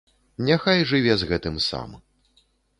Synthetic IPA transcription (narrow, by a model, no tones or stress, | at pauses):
nʲaxajʐɨvʲɛzɣɛt̪ɨmsa̰m